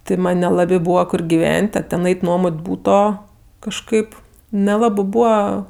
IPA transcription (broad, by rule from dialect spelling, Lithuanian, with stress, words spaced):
tʲɪ ˈmɐnʲ nʲɛˈlˠɑːbʲeː ˈbuːʋɐ ˈkʊr ɡʲɪˈʋʲɛnʲtʲ ɐ tʲɛn ˈɐɪtʲ ˈnuɔmoːtʲ ˈbuːtoː kɐʃˈkɐɪp nʲɛˈlˠɑːbɜ ˈbuːʋɐ